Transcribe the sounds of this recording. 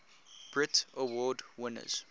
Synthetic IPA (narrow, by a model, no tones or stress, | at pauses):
b̥ɹɪtəwɔːdwɪ̃nə̰z̥